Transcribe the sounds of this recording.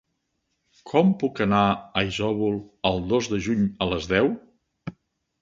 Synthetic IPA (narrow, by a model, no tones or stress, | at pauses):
kʰɔmpukənaəizɔβulˠəlˠd̪ozdəʒuɲələzðɛw